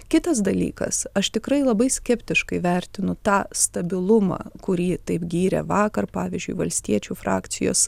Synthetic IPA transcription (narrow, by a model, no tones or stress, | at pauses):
kʲɪt̪ɐs̬d̪ɐlʲḭːkɐ̰sɐʃt̪ʲɪkɾɐɪlˠɐbɐɪsʲkʲɛpʲt̪ʲɪʃkɐɪʋʲæɾʲt̪ʲɪnʊt̪ɑːst̪ɐbʲɪlˠʊmɑ̰ːkʊɾʲiːt̪ɐɪpɡʲiːɾʲɛ̰ʋɑːkɐrpɑːʋʲiːzʲd͡ʒʲʊɪʋɐlʲsʲt̪ʲiɛt͡ʃʲuːfɾɑ̰ːkt̪sʲɪjo̰ːs